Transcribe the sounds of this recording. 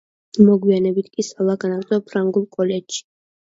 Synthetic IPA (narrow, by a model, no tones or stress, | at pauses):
mɔɡwianɛbit̪ʰkʼisalˠaɡanaɡt̪ʼɔpʰɾaŋɡulˠkʼɔlɛd͡ʒʃi̥